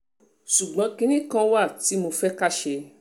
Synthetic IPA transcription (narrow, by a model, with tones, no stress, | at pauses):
ʃu˨ɡ͡bã˨˦kĩ˧˦nĩ˦kã˧wa˦˨ti˨˦mo˧fɛ˦ka˦˨ʃe˧